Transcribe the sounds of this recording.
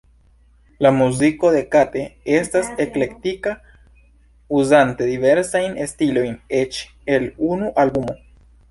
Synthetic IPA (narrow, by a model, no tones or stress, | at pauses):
lamuziko̞d̪e̞kate̞e̞stase̞kle̞ktika | uzante̞d̪ive̞ɾsajnestilo̞jne̞t͡ʃ | e̞lunuʔalbumo̞